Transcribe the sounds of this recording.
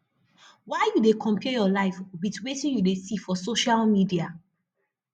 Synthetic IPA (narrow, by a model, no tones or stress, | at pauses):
waɪjudekʰɔ̃mpɛjɔlaɪfbitwetĩnjudesifɔsoʃalmidia